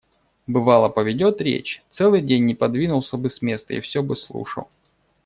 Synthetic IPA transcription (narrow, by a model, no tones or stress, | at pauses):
bɨvɑlˠəpəvʲɪdʲo̞t̪ɾʲḛt͡ɕt̪sɛlˠɨjdʲenʲːɪpɐd̪vʲinʊlˠsʲəbɨsʲmʲe̞st̪ə̰ḭfsʲobɨslˠṵʂə̰lˠ